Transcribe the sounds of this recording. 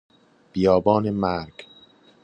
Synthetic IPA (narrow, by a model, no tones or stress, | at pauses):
b̥ijɒːbɒːnemæɾɡ